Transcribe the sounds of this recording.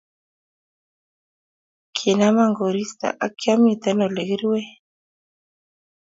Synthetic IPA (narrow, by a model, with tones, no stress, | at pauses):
kʰi˨na˦ma˦ŋɡo˨ɾi˦st̪a̰˨ʔa˦kja˦mi˨t̪ɛ˦nɔ˨le˨ɣi˦ɾi˦we˦